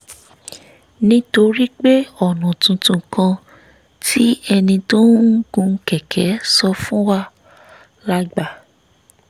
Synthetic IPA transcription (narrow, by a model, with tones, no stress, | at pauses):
nĩ˦to˧ɾi˦k͡pe˦ɔ˦˨nã˨tũ˧tũ˧kã˧ | tʰi˦ɛ˧nĩ˧to˦ɡũ˧˦kɛ˨kʰɛ˨˦sɔ˧fũ˦wa˦ | la˧ɡ͡ba˨